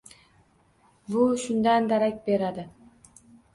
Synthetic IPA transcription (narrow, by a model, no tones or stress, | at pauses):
buʃʊnd̪and̪aɾak̚ʲbe̞ɾad̪ɪ